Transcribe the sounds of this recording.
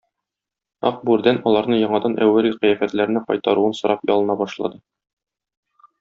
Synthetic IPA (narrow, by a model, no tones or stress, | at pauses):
ɒq̚bʉɾd̪ænɒlˠɑɾnɤjɒɴɑd̪ɑnʔæ̰wːæɾiqɘjæfæt̪læɾnɘqɒ̰jt̪ɑɾuɤnsɤ̆ɾʔɑpjɒ̰lˠɤ̆nɑbɒʃlˠɑ̰d̪ɤ